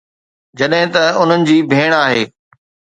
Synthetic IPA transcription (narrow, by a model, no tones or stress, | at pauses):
d͡ʑɐɗɦɪ̃t̪ɐʊn̤ənɪ̆d͡ʑiːbʱeːɽ̃aːɦeː